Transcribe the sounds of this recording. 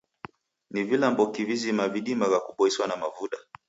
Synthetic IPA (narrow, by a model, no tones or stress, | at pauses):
nivilambɔkivizimaviɗimavakuɓɔɛswanamavuɗa